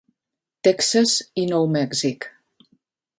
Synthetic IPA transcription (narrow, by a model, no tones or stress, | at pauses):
t̪ɛksazinɔwmɛɡzik